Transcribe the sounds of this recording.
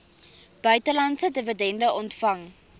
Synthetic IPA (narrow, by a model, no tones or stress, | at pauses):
b̥œɥtəlɐntsədəvədɛndəʔɔntfɐŋ